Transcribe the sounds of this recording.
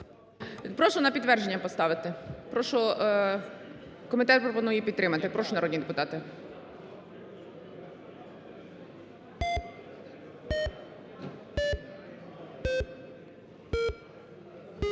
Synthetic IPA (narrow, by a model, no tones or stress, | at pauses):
pɾɔʃɔnɐpʲid̪t̪ʋɛrʒenʲːɐpɔst̪ɑʋɪt̪ɪpɾɔʃɔ | kɔmʲɪt̪ɛt̪̚pɾɔpɔnujɛpʲid̪t̪ːɾɪmɐt̪ɪpɾɔʃʊnɐɾɔdʲnʲid̪epʊt̪ɑt̪ɪ